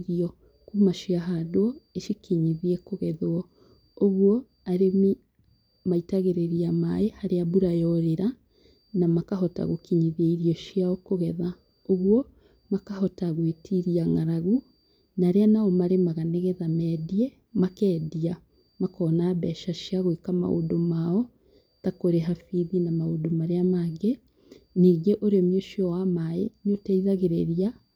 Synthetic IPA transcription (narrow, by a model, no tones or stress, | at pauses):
ɾiɔ | kumaʃiaɦadoɔeʃikiɲiðiɛkoɣɛðɔ | oɣwɔ | aɾe | maitaɣeɾeɾiamaehaɾeabuɾajɔɾeɾa | namakaɦɔta̰ɣokiɲiðieiɾijɔʃiaɔkoɣɛða | oɣwɔ | makahɔtaɣwetʰiɾiaŋaɾaɣu | naɾeanaɔmaɾemaɣaneɣɛðamɛːdiɛ | makɛːdia | makɔnaβɛʃaʃiaɣwekama̰ʔo̰domaɔ | takoɾeɦafiðinamaodomaɾeamaɡe | niɡeʔoɾeomjoʃiɔwamaḛnotaiðaɣeɾeɾia